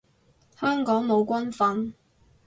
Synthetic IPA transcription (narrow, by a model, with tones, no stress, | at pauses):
hœː˥ŋkɔː˨˥ŋmo˨˧wkʷɐ˥nfɐ˧n